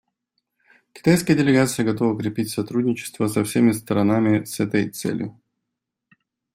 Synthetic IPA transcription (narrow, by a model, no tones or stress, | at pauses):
kʲɪ̥t̪ajskəjədʲɪlʲɪɡat̪sɨjəɡɐt̪o̞vəukɾʲɪpʲitʲsɐt̪ɾudʲnʲɪt͡ɕɪ̥st̪vəsɐfsʲemʲɪst̪əɾɐnamʲɪsɛt̪əjt̪sɛ̰lʲjʊ